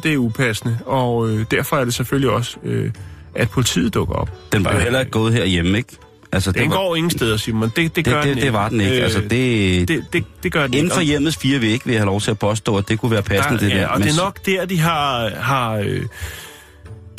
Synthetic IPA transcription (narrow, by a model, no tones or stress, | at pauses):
d̥e̝æɐupʰæsnəɒ̽ød̥æɐfɒ̽æɐɾ̥e̝sefølliɒ̽søʔæd̥̚pʰo̝lit͡sʰḭːð̩ˠd̥ɔ̽ɡ̥ɐɒ̽b̥d̥enb̥ɦelɐɡ̥ɔ̽ːð̞̩ˠɦeɐ̰jeməeɡ̥ | ʔælsəd̥enɡ̥ɒ̰ːe̝ŋn̩sd̥eð̞ˠɐsiɐmænd̥e̝d̥e̝ɡ̥ɶɐ̥ed̥e̝ʋɑ̈d̥ene̝ɡ̥ælsəd̥e̝̥ed̥ed̥e̝ɡ̥ɶɐen̩fɒ̽jem̰ð̩ˠsfiːɐʋeeɡ̥əʋejhælɒʊt͡sʰe̝æpʰɒ̽sd̥ɔ̰̽ːæd̥e̝kʰuʋæːɐpʰæsnəd̥e̥æɐ̰ɒdmenɒ̽ɡ̥d̥eɐ̰d̥iɦɑ̈ɦɑ̈ø